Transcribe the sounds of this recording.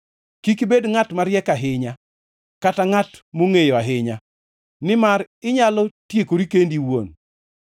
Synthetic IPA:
kikibedŋatmaɾjɛkaɦɪɲa | kataŋatmoŋejoaɦɪɲa | nɪmaɾ | ɪɲalɔtjekoɾikendiwo̰n

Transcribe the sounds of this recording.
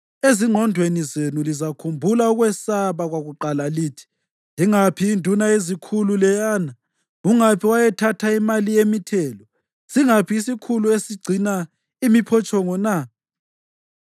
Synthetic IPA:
eziŋ͡ǃʱɔndʱwenizenulizakʰumbʱulauɣwɛsaβaɣwaɣuǃalaliːtʰi̥ | liŋapʰiːndʱunaezikʰululɛjaːna | uŋapʰiwajɛtʰatʰaimalijemitʰɛːlɔ | siŋapʰiːsikʰuluesiɡ͡ǀʱina | imipʰɔt͡ʃʼɔŋɔna

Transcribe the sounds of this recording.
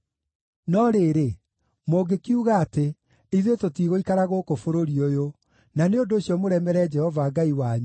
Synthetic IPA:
nɔɾeːɾe | moɡekiuɣaːte | iðetotiɣoikaɾaɣokofoɾoɾiojo | naneondoːɕjɔmoɾɛmɛɾɛd͡ʒɛhɔvaːɡaiwaɲu

